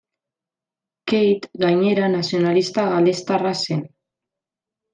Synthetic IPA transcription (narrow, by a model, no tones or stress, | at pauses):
kejt̪ɡajɲe̞ɾanasio̞nalist̪aɣalest̪arase̞n